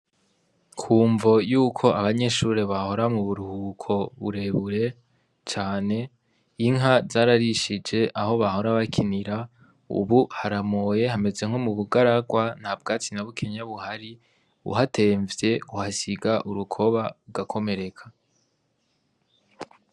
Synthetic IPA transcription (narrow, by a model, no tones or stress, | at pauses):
kʰuːɱvo̞juːkʰo̞aβaɲe̞ʃuːɾeβaho̞ɾamuβuɾuhukʰo̞βṵɾe̞βuɾe̞ | t͡ʃaːne̞ | iŋɦazaːɾaɾiʃid͡ʒe̞ʔaɦo̞βaho̞ɾaβakʰiniɾa | ṵβuhaɾamo̞je̞hame̞ze̞ŋ̥ho̞muβuɡaɾaɡwan̥habɡaːt͡sinaβukʰeɲaβuhaɾi | βṵɦatʰe̞ːɱvje̞uhasiɡaʔuɾukʰo̞βauɡakʰo̞me̞ɾe̞kʰḁ